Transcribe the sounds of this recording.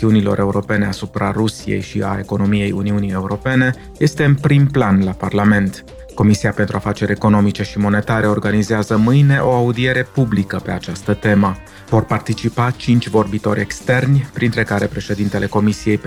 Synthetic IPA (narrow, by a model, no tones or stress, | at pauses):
iunilo̞̰ɾʔe̞uɾo̞pe̞ne̞asupɾarusijḛjʃia̰e̞ko̞no̞mije̞juniunije̞uɾo̞pe̞ne̞ | je̞st̪e̞ɨnpɾimplanlaparlame̞nt̪ | ko̞misijape̞nt̪ɾuafat͡ʃe̞ɾʲe̞ko̞no̞mit͡ʃe̞ʃimo̞ne̞t̪aɾe̞o̞rɡanizeazəmɨjne̞ʔo̞aud̪ie̞ɾe̞publikəpe̞at͡ʃast̪ət̪e̞mə | vo̞rpart̪it͡ʃipat͡ʃint͡ʃʲvo̞rbit̪o̞ɾʲe̞kst̪e̞rnʲpɾint̪ɾe̞kaɾe̞pɾe̞ʃe̞d̪int̪e̞le̞ko̞misije̞j